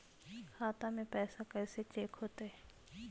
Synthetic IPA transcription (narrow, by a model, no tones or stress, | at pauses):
kʰaːt̪amẽpɛːsakɛːset͡ʃeːkɦoːt̪eɦɛ